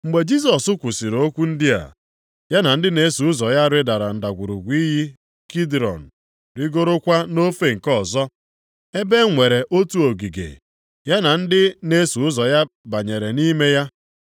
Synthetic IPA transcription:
ŋ͡m̩˨ɡ͡be˨d͡ʒi˦s̬ɔ˨sʊ˦kʷʊ˨si˨ɾo˦kʷu˦n̩˦dɪ˦a̰˨ | ja˦na˨n̩˦dɪ˦ne˦su˨ʊ˦zɔ˨ja˦ɾɪ˦da˨ɾa˨n̩˨da˨ɡʷu˨ɾu˨ɡʷi˦ɦi˦ | ki˦dɾɔ̰˨n̩˨ | ɾɪ˦ɡo˦ɾo˦kʷa˦no˦fe˦ŋ̩˨kɔ˦zɔ˦ | e˦be˦ŋʷe˨ɾe˨ʔo˦tu˦o˨ɡi˨ɡḛ˨ | ja˦na˨n̩˦dɪ˦ne˦su˨ʊ˦zɔ˨ja˦ba˨ɲe˨ɾe˨ni˦me˦ja˦

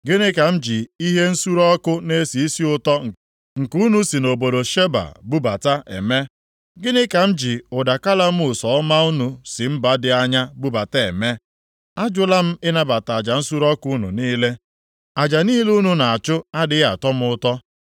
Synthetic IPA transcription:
ɡɪ˦nɪ˦ka˨m̩˦d͡ʒi˨i˦ɦe˦n̩˦su˦ɾɔ˦kʊ˦ne˦si˨i˦si˦ʊ˦tɔ˦ŋ̩˨ | ŋ̩˨ku˦nu˦si˨no˨bo˨do˨ʃe˦ba̰˨bu˦ba˨ta˦ʔḛ˨me˦ | ɡɪ˦nɪ˦ka˨m̩˦d͡ʒi˨ʊ˨da˨ka˦la˦m̩˦ʊ˨sɔ˨˦ma˦u˦nu˨sɪ˨m̩˦ba˦dɪ˨a˦ɲa˦bu˦ba˨te˦e˨me˦ | a˦d͡ʒʊ˦la˦m̩˦ɪ˦na˦ba˨ta˨d͡ʒa˨n̩˦su˦ɾɔ˦kʊ˦nṵ˨niː˦le˦ | a˨d͡ʒa˨niː˦le˦u˦nu˨na˨a˨t͡ʃʊ˦a˦dɪ˦a˨tɔ˦m̩˦ʊ˦tɔ˦

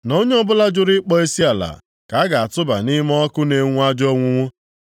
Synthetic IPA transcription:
no˦ɲe˦ɔ˦bʊ˦la˦d͡ʒʊ˦ɾɪ˦k͡pɔ˦e˦si˦a˨la̰˨ | ka˨˦ɡa˨a˨tʊ˦ba˨ni˦m˦ɔ˦kʊ˦ne˨ŋʷu˦a˦d͡ʒɔ˦ŋʷʊ˦ŋʷʊ˦

